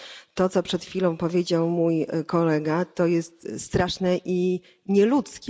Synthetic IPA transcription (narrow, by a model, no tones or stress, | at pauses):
t̪ɔt̪sɔpʂɛt̪xʲfʲilɔ̃w̃pɔvʲjed͡ʑawmujkɔlɛɡat̪ɔjɛst̪st̪ɾaʂnɛʔi | ɲɛlut̪skʲɛ